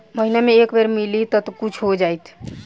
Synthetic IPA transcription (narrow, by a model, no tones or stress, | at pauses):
məɦinameekbeɾmilit̪ət̪kut͡ʃʰɦod͡ʒajt̪ʰ